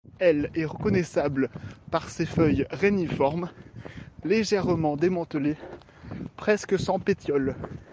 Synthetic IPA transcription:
ɛlɛʁəkɔnɛsablpaʁsefœjʁenifɔʁm | leʒɛʁmɑ̃d̪emɑ̃t̪əle | pχɛskəsɑ̃pet̪jɔl

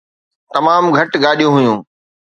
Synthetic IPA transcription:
t̪ɐmaːmɡʱɐʈɡaːɗijũɦʊjũː

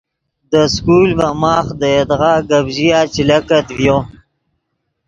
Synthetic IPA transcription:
d̪əskulvamɑːxd̪əjed̪ʁaɡabʒijat͡ʃilakat̪vjo

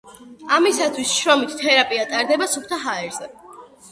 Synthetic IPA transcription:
amisat̪ʰwisʃɾɔmit̪ʰt̪ʰɛɾapʼiat̪ʼaɾd̪ɛbasup̚ʰt̪ʰaɦaɛɾz̥ɛ

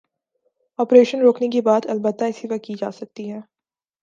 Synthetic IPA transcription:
ɔːpɾeːʃənɾoːknek̬ibaːt̪ɐlbət̪ːaɪsiʋɐkid͡ʒa̰ːsɐk̚t̪iɦɛː

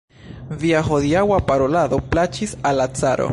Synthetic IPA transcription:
viaɦo̞ðiawapaɾo̞laðo̞plat͡ʃisalat͡saɾo̰

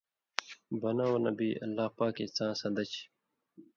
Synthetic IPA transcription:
bɐnãwɐnɐ̰biːʔɐ̰lːaːpaːket͡sãːsɐ̃nd̪ɐt͡ɕ

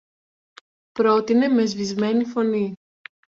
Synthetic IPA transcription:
pɾo̞t̪ine̞me̞zvizme̞nifo̞ni

